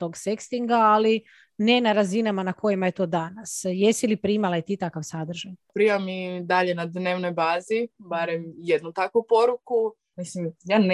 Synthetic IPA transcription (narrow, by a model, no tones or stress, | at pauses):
t̪o̞ɡsekst̪iŋɡaːli | ne̞naɾazinamanako̞jimaje̞t̪o̞ːd̪anasje̞silipɾimalajet̪it̪akaʋsad̪r̩ʒajpɾiamid̪aʎenad̪neːʋnojbaːzibaɾemjed̪nut̪akʋupo̞ɾuku | mislimjaːn